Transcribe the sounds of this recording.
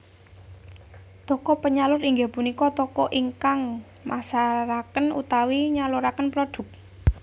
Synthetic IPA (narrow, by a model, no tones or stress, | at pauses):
t̪ɔkɔpəɲalʊɾiŋɡapunikɔt̪ɔkɔʔiŋkaŋ | masaɾakənṵt̪awiɲaluɾakənpɾoɖ̥ʊ̤k̚